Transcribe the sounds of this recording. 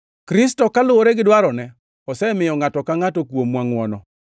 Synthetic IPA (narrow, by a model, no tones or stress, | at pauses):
kɾɪs̬tɔkalʊwoɾeɡɪdwaɾɔnɛ | ɔsɛmɪjɔŋatɔkaŋatɔkwomwaŋwɔnɔ